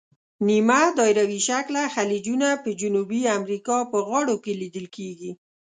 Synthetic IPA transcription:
nimad̪ɑjɾawiʃaklaxalid͡ʒunapəd͡ʒʊnubiamɾikɑpəɣɑɽokelid̪əlkeɡi

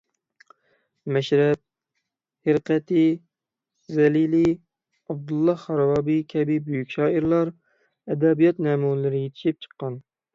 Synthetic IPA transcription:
mɛʃɾɛp̚ | hɪɾqʰɛt̪ʰɪ | zɛlili | ɑb̚d̪ulˠːɑχɑɾwɑbikʲʰɛbɪbyjykʲʃɑːiɾlˠɑɾ | ɛd̪ɛbijɑt̪nɛːmulɪɾɪjet̪ʰɪ̥ʃip̚t͡ʃʰə̥qːɑn

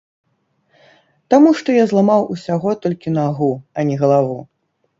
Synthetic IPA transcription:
t̪amuʂt̪ɔjazlˠamawʔusʲaɣɔt̪ɔlʲkʲinaɣuɐnʲɛɣɐlˠavu

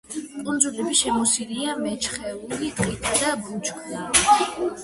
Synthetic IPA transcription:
kʼund̪zulɛbiʃɛmɔsiliamɛt͡ʃʰχɛulit̪qʼit̪ʰad̪abut͡ʃʰkʰd̪a

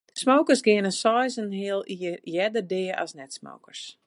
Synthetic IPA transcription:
smowkərsɡɪənəsɔjzənhɪəlˠijɛdərdɪːɔ̰snɛtsmo̰wkərs

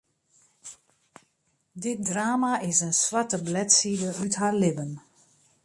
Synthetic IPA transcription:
dɪt̚draːmaɪsənsʋatəblɛtsidəytɦaɹlɪbən

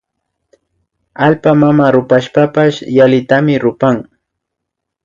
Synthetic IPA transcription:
alpamamaɾʊpaʃpapaʃjalɪt̪amɪɾʊpaŋ

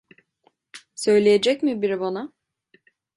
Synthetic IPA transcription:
sø̞jlʲejed͡ʒɛcmibiɾibana

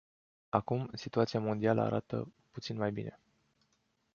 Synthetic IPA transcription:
akumsit̪uat̪siamo̞nd̪ialə̰a̰ɾʔat̪ə̰ | put̪sinmajbine̞

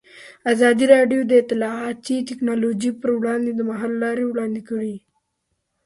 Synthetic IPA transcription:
azɑd̪iɾɑɖjod̪əɪt̪ːɪlɑɑt̪it̪ɪknɑlod͡ʒipəɾwɽɑnd̪ed̪əmaɦɑlːɑɾewɽɑnd̪ekəɽi

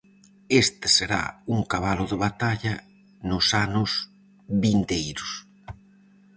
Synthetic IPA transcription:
est̪ɪ̥seɾa̰uŋkaβalʊðɪβat̪aʎɐ | nʊsanʊs | βint̪ejɾʊs

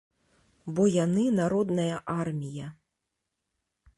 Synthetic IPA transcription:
bɔjanɨnaɾɔd̪nɐjɐʔarmʲijɐ

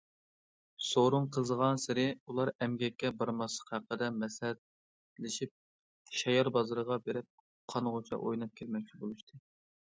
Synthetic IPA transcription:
soɾuŋqʰəzəʁɑnsɪɾɪulˠɑɾɛmɡʲɛkʲːɛbɨɾmɑsˠə̥qhæqːəd̪ɛmɛshɛt̪̚ | lɪʃip̚ | ʃɛjɑɾbɑzɨɾəʁɑbeɾɪp̚ | qʰɑnʁot͡ʃʰɑ̰ʔojnɑp̚kʲʰɪlmɛk̚ʲt͡ʃʰibolˠuʃt̪ʰɨ

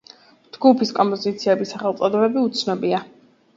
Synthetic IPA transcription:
d͡ʒɡupʰiskʼɔmpʼɔzit̪sʰiɛbisaχɛlˠt̪sʼɔd̪ɔbɛbiut̪sʰnɔbia

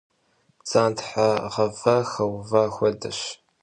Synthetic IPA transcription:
t͡sʼaːntʰħaʁɐvɐxɐwvɐxʷɔdɐɕ

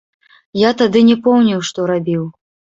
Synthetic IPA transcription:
jat̪ad̪ɨnʲɛpɔwnʲiwʂt̪ɔɾabʲiw

